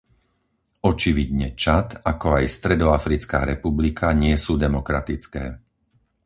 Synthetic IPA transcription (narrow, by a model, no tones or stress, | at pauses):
ɔt͡ʃiʋid̪ɲɛt͡ʃat̪akɔajst̪ɾɛd̪ɔafɾit͡ska̰ːɾɛpublikʰaɲɪɛsuːd̪ɛmɔkɾa̰t̪it͡skɛ̰ː